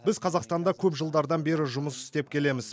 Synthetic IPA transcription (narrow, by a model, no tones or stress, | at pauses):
bɪzqʰɑzɑqst̪ɑnd̪ɑkʲʰɵpʒəlˠd̪ɑɾd̪ɑnbe̞ɾɪʒʊməsɪ̥st̪e̞p̚kʲʰe̞le̞mɪz̥